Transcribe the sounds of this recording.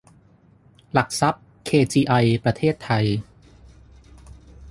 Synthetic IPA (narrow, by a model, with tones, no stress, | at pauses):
la˨˩k̚sa˦˥p̚ | kʰeː˧t͡ɕiː˧ʔa˧jpɾa˧t̪ʰeː˥˩t̪ʰːa˧j